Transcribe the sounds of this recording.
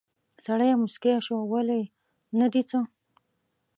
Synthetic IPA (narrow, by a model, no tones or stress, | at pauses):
saɽajamʊskeʃawalej | nad̪it͡sə